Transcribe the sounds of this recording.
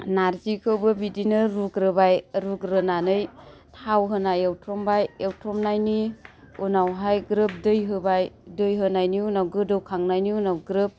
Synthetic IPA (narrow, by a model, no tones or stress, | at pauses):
naɾzikʰɯwbɯbidinɯɾukɾɯbajɾukɾɯnanɯjtʰawɦɯnajewtɾɔmbajewtɾɔmnajni | unawɦajɡɾɯp̚dɯjɦɯbajdɯjɦɯnajniunawɡɯdɯwkʰaŋnajniunawɡɾɯp̚